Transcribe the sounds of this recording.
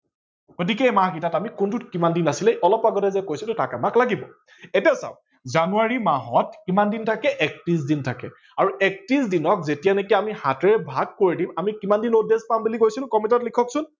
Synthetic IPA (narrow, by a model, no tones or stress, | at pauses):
ɡotikɛmahkitatamikʊntutkimandinasilɛʔɔlɔpaɡɔtɛzɛkojsɛtʊtakamaklaɡibɔ | etiasa̰ʊ | zanuaɹimaɦɔtkimandintʰakɛʔɛk̚tizdintʰakɛ̰ | aɹuʔɛk̚tizdinɔk̚zetijanekiamihatɛɹɛbʱaɡ̚koɹidimamikimandinodezpambulikojsil̃kɔmitɔtlikʰɔksʊn